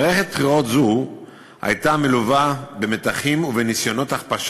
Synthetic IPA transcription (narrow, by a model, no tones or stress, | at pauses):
ʁeχet̪̚pχiʁo̞t̪zu | ha̰jt̪ameluvabeme̞t̪aχimuvenisjo̞no̞t̪aχpaʃ